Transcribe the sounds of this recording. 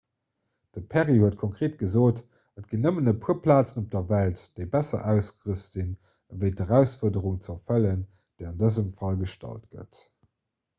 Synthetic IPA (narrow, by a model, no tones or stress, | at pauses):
d̥əpʰæʁihuət̚kʰoŋkʁ̥eːt̚ɡ̥əzoːt | ət̚ɡ̥inːəmənəpʰuɐpʰlaːt͡sənop̚d̥ɐvæltd̥eɪbæsɐ̰ʔæʊsɡəʁəsz̥in | vəɪtəʁæʊsfuɐdəʁuŋt͡sɐfələn | d̥eɪɑndəzəmfɑlɡəʃtɑ̰ltɡ̥ə̰t